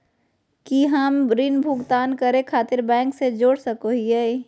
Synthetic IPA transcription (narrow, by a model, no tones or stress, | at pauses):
kiɦəmɾinbʱʊɡt̪aːnkəɾekʰaːt̪ɪɾbɛ̃ːŋksed͡ʒoːɽsəkoɦie